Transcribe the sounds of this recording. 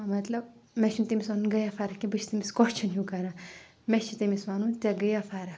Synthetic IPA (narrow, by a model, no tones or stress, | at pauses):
mɐt̪lɐb̚mɛʃunt̪imisaːnunɡɐjafaɾɐkʲibɨt͡ʃʰt̪imʲiskɔt͡ʃʰɐnjukɐɾãː | met͡ʃʰit̪imisʋaːnũnt̪ʲaɡɐjafaːɾɐ